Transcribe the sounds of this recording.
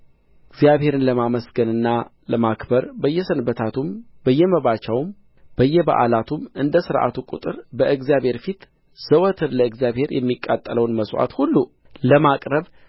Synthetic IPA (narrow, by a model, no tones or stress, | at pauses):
ɨɡzijaβhe̞ɾɨnləmaməsɡənɨnːa | ləmakbəɾbəjːɛsənbət̪ʰat̪umbəjːɛməβat͡ʃəwm | b̥əjːɛba̰ʔa̰lat̪ʰumɨnd̪əsɨɾʔa̰t̪ʰukʼṵt̪ʼɨɾbəʔɨɡzijaβhe̞ɾfit̪ | z̥əwət̪ʰɨɾləɨɡzijaβhe̞ɾjɛ̰mːikʼːat̪ʼːələwnməswa̰t̪hulːu | ləmakʼɾəβ